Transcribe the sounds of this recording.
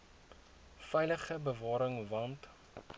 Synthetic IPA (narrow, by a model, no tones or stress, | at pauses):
fɛjləχəbəvɑːɾəŋvɐnt